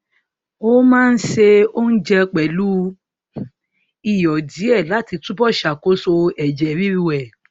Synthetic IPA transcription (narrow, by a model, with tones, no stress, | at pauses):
o˦mãː˦˧n̩˦ʃe˧o˦n̩˦d͡ʒɛ˧k͡pɛ˨lu˦ | i˨jɔ˨di˨˦ɛ˦˨la˨˦ti˧tu˦bɔ˦˨ʃa˨ko˨˦so˧ɛ˨d͡ʒɛ˨ɾi˦ɾi˦˧wɛ˦˨